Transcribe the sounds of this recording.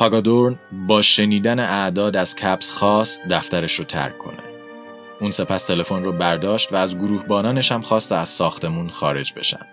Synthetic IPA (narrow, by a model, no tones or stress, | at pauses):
pʰɒɡɒd̪oɾnbɒːʃe̞niːd̪æneʔæd̪ɒːd̪æz̥cʰæbsxɒːst̪̚d̪æft̪æɾe̞ʃɾoːt̪ʰæ̰ɾkʰːo̞̰ne | uːnse̞pʰæst̪ʰe̞le̞fonrɔːbæɾd̪ɒːʃt̪væːzɡoɾuːhbɒːnɒːne̞ʃhæmxɒːst̪eæz̥sɒːxt̪ʰe̞muːnxɒːɾe̞̰d͡ʒbe̞̰ʃæ̰m̥